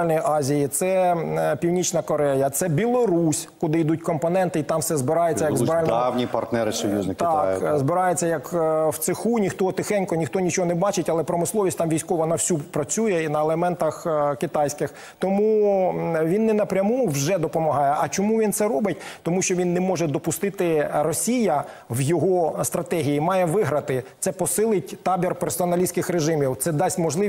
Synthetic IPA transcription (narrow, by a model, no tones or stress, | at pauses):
lʲnɔjiʔɑzʲijit̪sɛpʲiwnʲit͡ʃnɐkɔɾɛjɐt̪sɛbʲilˠɔɾusʲkʊd̪ɪid̪utʲkɔmpɔnɛnt̪ɪit̪ɑmsɛzbɪɾɑjɛtt͡sʲːɐjɐɡzbɑlʲnawnʲipɐrt̪nɛɾɪsɔjṵznɪkt̪ɑzbɪɾɑjʊt͡sʲːɐjɐkwt̪sɪxunʲixt̪ɔɔt̪ɪxɛnʲkɔnʲixt̪ɔnʲit͡ʃɔɦɔnɛbɑt͡ʃɪtʲɐlˠɛpɾɔmɪslˠɔʋʲisʲt̪ɑmʋʲijsʲkɔʋɐnɐwsʲupɾɐt͡sʲujɛinɐelˠemɛnt̪ɐxkɪt̪ɑjsʲkɪx | t̪ɔmu | ʋʲinːɛnɐpɾʲɐmuwʒɛd̪ɔpɔmɐɦɑjɛʔɐt͡ʃɔmuʋʲint̪sɛɾɔbɪt̚ʲt̪ɔmuʃt͡ʃɔʋʲinːɛmɔʒɛd̪ɔpʊst̪ɪt̪ɪrɔsʲijɐ | ʋjɔɦɔst̪ɾɐt̪ɛɦʲijimɑjɛʋɪɦɾɐt̪ɪt̪sɛpɔsɪlˠɪt̚ʲt̪ɑbʲirpersɔɔnɐlʲisʲkɪxɾeʒɪmʲiwt̪sɛd̪ɑsʲtʲmɔʒlˠɪ